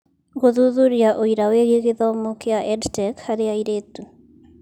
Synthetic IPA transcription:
ɣoðuðuɾjaʔoiɾaweɣeɣeðaomokeaʔɛdtɛkhaɾeaiɾetu

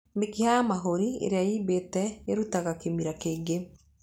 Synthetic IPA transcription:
mekihamaɦoɾiḛɾeaiːbetɛeɾutaɣakemiɾakeːɡe

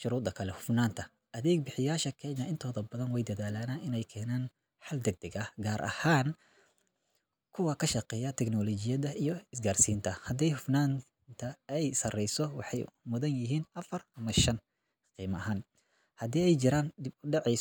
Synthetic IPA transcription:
ʃʊɾuːd̪ɐkʰɐlɛhʊfnaːnt̪ʰɐ | ʔɐðɛːɡ̚bɪħɪjaːʃɐkʰɛjnɐʔɪnt̪ʰɔːðɐbɐðɐnwɛjd̪ɐðaːlanaːnɪnɛjkʰɛːnaːn | ħɐld̪ɛɡ̚d̪ɐɣɐɡaːɾʔɐ̰haːn | kʰʊwɐkʰɐʃɑqɛːjɐt̪ʰɛkɡnɔlɔt͡ʃɪjɐðɐijɔɪsɡaːrsiːnt̪ʰɐhɐd̪ɛjhʊfnaːn | t̪ʰɐɛjsɐrɛjsɔwɑħɑjmʊðɐnjɪɦiːnʔɐfɐrʔɐmɐʃɐn | qiːmɐɐɦaːn | hɐd̪iːɛjt͡ʃɪɾaːnd̪ɪbʊɖɛʕɛj

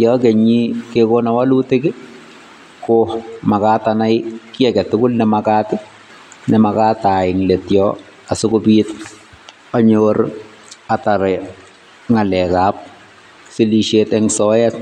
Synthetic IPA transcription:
jɔkeɲikekonawalutɪkɪ | kʊmakaːtanajkɪɛkɛtʊkʊlnɛmakaːtɪ | nɛmakataɪŋletjɔ | asʊkʊpit̚ | aɲoɾ | ataɾɛ | ŋalɛkap̚ | siliʃetɛŋsɔɛt

